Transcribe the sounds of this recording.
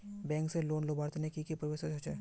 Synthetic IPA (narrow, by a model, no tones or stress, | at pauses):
bɛ̃ːŋkseloːnlobaːɾt̪nekikipɾəʋeset͡ʃɐt͡ʃeː